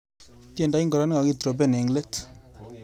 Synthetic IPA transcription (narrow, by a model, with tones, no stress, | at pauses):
te˦˨nda˦i˦ŋɡɔ˨ɾa˦n˦ŋa˨ɡi˦t̪ɾo˨b̬e˦˨ne˨ŋle˦t